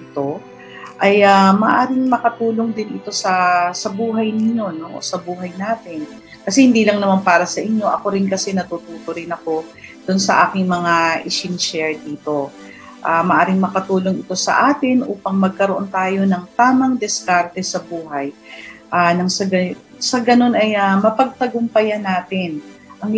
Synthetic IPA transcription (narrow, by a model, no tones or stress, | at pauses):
ɪt̪o̞ | ʔɐjamɐʔaːɾɪŋmɐkɐt̪uːlo̞ŋd̪ɪnɪt̪o̞sɐsɐbuːɦɐjnɪɲo̞no̞ʔo̰sɐbuːɦɐjnaːt̪ɪn | kɐsɛhɪnd̪iːlɐŋnɐmanpaːɾɐsɐʔɪɲjo̞ʔɐko̞ɾɪnkɐsɛnɐt̪ut̪uːt̪oɾɪnɐko̞d̪̥ʊnsɐʔaːkɪŋmɐŋaʔɪʃɪnʃɛɹd̪iːt̪o̞ | ʔaːmɐʔaːɾɪŋmɐkɐt̪uːloŋɪt̪o̞sɐ̰ʔaːt̪ɪnʔuːpɐŋmɐɡ̚kɐɾoʔo̞nt̪aːjo̞nɐŋt̪aːmɐŋd̪ɪskaɾt̪ɛsɐbuːhɐjʔaːnɐŋsɐɡɐsɐɡɐno̞nɐjamɐpɐɡ̚t̪ɐɡʊmpɐjɐnaːt̪ɪn | ʔɐŋ